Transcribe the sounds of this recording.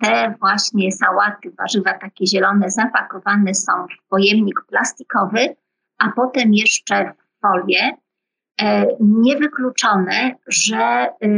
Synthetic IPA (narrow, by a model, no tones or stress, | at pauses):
t̪ɛvwaɕɲɛsawat̪ɘva̰ʐɘvat̪akʲɛʑɛlɔnɛzapakɔvanɛsɔ̰̃w̃fpɔjɛmɲikplast̪i̥kɔvɘ | apɔt̪ɛmjɛʂt͡ʂɛvːɔlʲjɛ | ɲɛvɘklut͡ʂɔnɛʐɛ